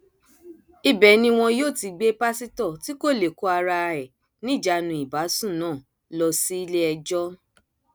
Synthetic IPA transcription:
i˧bɛ˨nĩ˧w̃ɔ̃˧joː˦˨ti˧ɡ͡be˦pa˦si˦tɔ˦˨ti˦ko˦˨le˨ko˦a˧ɾa˧ɾɛ˨ | nĩ˦˨d͡ʒa˧˨nũ˧˨i˨ba˨˦sũ˦˨nãː˦˨ | lɔ˧si˦i˦le˦ɛ˧d͡ʒɔ˦

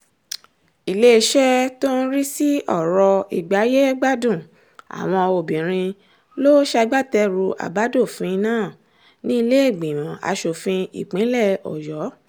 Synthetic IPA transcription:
i˨le˦˧ʃɛ˦to˦n̩˦ɾi˦si˦ɔ˦˨ɾɔ˧i˨ɡ͡ba˨˦je˦ɡ͡ba˦˨dũ˦˨ | a̰˨w̃ɔ̃˧o˨bĩ˨ɾ̃ĩ˧ | lo˦ʃa˧ɡ͡ba˦˨tɛ˧ɾu˧ʔa̰˨ba˨˦do˦˨fũ˧i˧nãː˦˨ | nĩ˦i˧le˦e˦˨ɡ͡bĩ˨mã˨a̰˨˧ʃo˨fĩ˧ḭ˨k͡pĩ˨˦lɛ˦˨ɔ̰˨jɔ˨˦

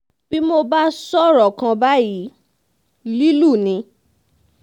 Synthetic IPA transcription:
b̥i˦mo˧ba˦sɔ˦˨ɾɔ˨kã˧ba˦ji˨˦ | li˦lu˦˨nĩ˧˦

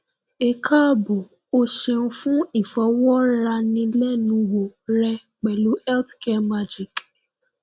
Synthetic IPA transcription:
e˨kʰa˦˨bo˨ | o˦ʃe˧ũ˧fũ˦i˨fɔ˨˦wɔ˦ɾa˧nĩ˧lɛ˦nũ˧˦wo˨ɾɛ˧ | k͡pɛ˨lu˨˦ɛ˦ltkɛ˦ma˦d͡ʒi˨k

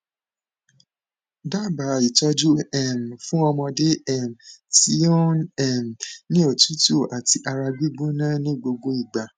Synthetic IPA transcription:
da˦˨ba˨˦i˨tɔ˦d͡ʒu˦ɛ˦˨m̩˨fũ˦ɔ˧mɔ̃˧de˦ɛ˦˨m˨ti˦ɔ˦nɛ˦˨m̩˨nĩ˦o˦˨tu˨˦to˦˨ʔa˨ti˧ʔa˧ɾa˧ɡ͡bi˦ɡ͡bu˦nã˦nĩ˦ɡ͡bo˧ɡ͡bo˦i˦˨ɡ͡ba˨

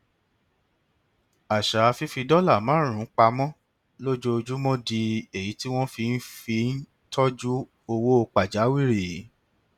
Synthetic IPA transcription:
a˨ʃa˨˧fi˦fi˧dɔ˦la˦˨mã˨˦ɾ̃ũ˨˦k͡pa˧mɔ̃˦ | lo˦d͡ʒo˦o˧d͡ʒu˦mɔ̃˦di˧e˦˨ji˨˦ti˦w̃ɔ̃˦fi˧n̩˦fi˧n̩˦ | tʰɔ˦d͡ʒu˦ | o˧wo˦o˧k͡pa˨d͡ʒa˨˦wi˦˨ɾi˨˦

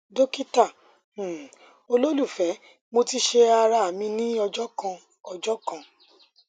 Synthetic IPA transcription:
do˦ki˦tã˦˨ | o˧lo˦lu˦˨fɛ˨˦ | mo˧ti˧ʃe˧a˧ɾa˧a˨mĩ˧nĩ˦ɔ˧d͡ʒɔ˦kã˧ | ɔ˧d͡ʒɔ˦kã˦˨

